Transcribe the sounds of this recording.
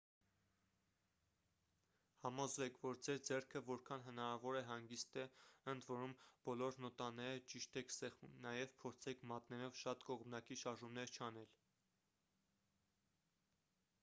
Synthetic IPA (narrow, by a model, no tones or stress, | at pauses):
hɑmɔzvɛkʰvɔɾd͡zɛɾd͡zɛrkʰəvɔɾkʰɑnɦənɑɾɑvɔɾɛɦɑŋɡist̪ɛənd̪vɔɾumb̥ɔlɔɾnɔt̪ɑnɛɾət͡ʃiʃt̪ɛkʰsɛχumnɑjɛvpʰɔɾt͡sʰɛkʰmɑt̪nɛɾɔvʃɑt̪kɔʁmnɑkiʃɑɾʒumnɛɾt͡ʃʰɑnɛl